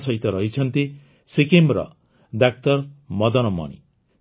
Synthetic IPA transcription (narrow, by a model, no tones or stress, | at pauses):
sʌɦit̪ʌɾʌɦit͡sʰʌnt̪i | sekemɾʌ̰ | d̪ak̚t̪ʌɾmʌd̪ʌnʌmʌ̰ɽ̃ḭ